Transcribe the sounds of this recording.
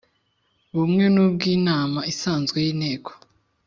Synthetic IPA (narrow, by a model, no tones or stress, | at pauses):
βumŋenubɡiːnaːmaisaːnzɡwejiːnhe̞ːkʰo̥